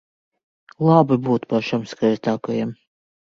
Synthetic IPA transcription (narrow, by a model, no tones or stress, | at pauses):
lˠabibuːt̪paʃamskajzt̪aːkajɛm